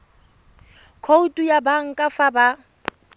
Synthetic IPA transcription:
kʰoutʼujabaŋ̩kʼafaba

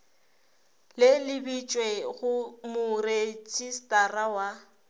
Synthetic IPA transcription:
lɪlɪbit͡ʃʼweɣʊmʊret͡ʃʼistʼarawa

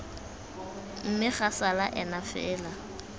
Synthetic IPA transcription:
m̩mɪχasalaʔɛnafɛːla

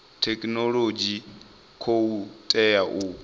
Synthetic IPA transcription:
tʰɛkʼnɔlod͡ʒi | kʰoutʼɛjaʔu

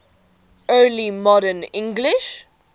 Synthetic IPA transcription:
ɜːlimɔɾənɪ̃ŋɡlɪʃ

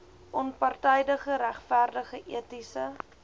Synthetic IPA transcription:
ʔɔnpɑrtɛjdəχəɾæχfærdəχəʔḭətisə

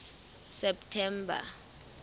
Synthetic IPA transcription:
sɛptʰɛmbʱa̰

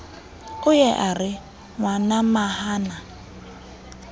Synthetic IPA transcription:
ʊjɛʔarɪ | ŋwanamahaːna

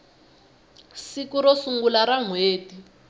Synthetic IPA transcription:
sikuɾɔsuŋɡulaɾaŋweːti

